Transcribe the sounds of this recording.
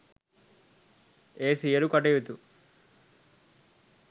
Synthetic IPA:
eːsijɐɾukɐʈeʋut̪u

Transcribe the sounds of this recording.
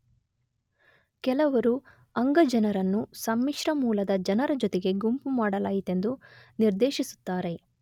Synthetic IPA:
kɛlɐʋɐɾu | ɐŋɡɐd͡ʒɐnɐɾɐnːusɐmːiʂɾɐmuːlɐd̪ɐd͡ʒɐnɐɾɐd͡ʒɔt̪eɡe̞ɡumpumaːɽɐlaːjit̪e̞nd̪uniɾd̪eːʃisu̥t̪ːaːɾe̞

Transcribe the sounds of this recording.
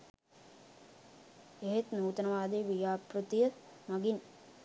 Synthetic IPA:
eɦet̪nuːt̪ɐnɐʋaːd̪iːʋijaːpɾut̪ijɐmɐɡin

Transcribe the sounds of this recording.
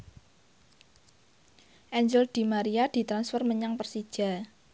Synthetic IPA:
ʔɛɲd͡ʒəld̪̥i̤maɾiad̪̥i̤t̪ɾansfərməɲaŋpərsid̥ʒ̥a̤

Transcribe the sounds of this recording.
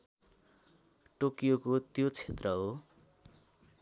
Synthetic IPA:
ʈokijokot̪jot͡sʰet̪rʌɦo

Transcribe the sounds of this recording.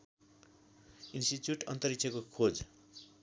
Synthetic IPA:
insʈit͡sjuʈʌ̰nt̪ʌɾik̚t͡sʰʌkokʰod͡z

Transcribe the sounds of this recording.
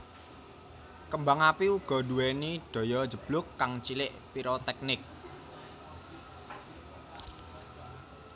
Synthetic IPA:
kəmbaŋapiuɡ̥ɔ̤dṳweniɖ̥ɔ̤jɔd̥d͡ʒ̥ə̤b̥lʊkːaŋt͡ʃilɪʔpiɾot̪ɛk̚nɪk̚

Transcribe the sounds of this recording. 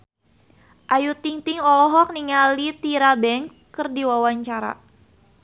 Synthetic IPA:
ʔajut̪iŋt̪iŋɔlɔɦɔk̚niŋalit̪iɾabɛŋ | ərdiwawaɲt͡ʃaɾa̰

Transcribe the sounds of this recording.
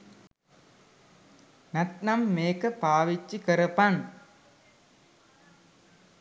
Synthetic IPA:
nɐt̪nɐmːeːkɐpaːʋit͡ʃːikɐɾɐpan

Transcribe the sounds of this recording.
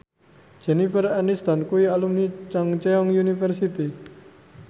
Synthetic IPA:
d͡ʒ̥ɛ̤nifəranist̪ankuwialumnit͡ʃaŋt͡ʃɛɔŋjunifərsit̪i

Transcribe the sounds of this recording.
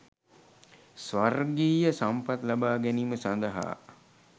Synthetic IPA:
sʋarɡiːjəsampat̪labaːɡɛniməsand̪əɦa̰ː

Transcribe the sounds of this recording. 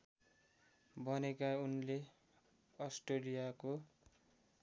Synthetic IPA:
bʱʌnekaunle | ʌsʈolijako

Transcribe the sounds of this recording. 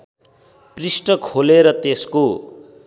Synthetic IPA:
prisʈʌkʰoleɾʌt̪esko

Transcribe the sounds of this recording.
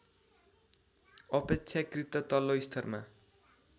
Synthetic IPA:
ʌpekt͡sʰakrit̪ʌt̪ʌloist̪ʰʌrma̰

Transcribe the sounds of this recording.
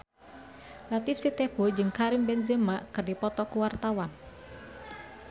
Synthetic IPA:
lat̪ifsit̪ɛb̥ud͡ʒɨŋkaɾimbɛnzəmakɨrdipɔt̪ɔkuwart̪awan

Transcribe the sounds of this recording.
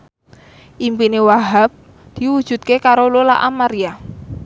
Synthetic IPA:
ʔimpinewaɦap̚ | d̪̥i̤wud̥ʒ̥ṳt̪̚kekaɾololaʔamaɾia

